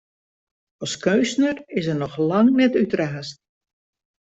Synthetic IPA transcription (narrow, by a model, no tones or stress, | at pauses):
ɔskøːsnərɪsərnɔxlɑŋnɛtytraːst̚